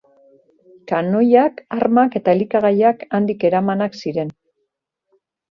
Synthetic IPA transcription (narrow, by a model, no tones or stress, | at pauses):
kano̞jakaɾmake̞t̪aelikaɣajakand̪ike̞ɾamanaksiɾe̞n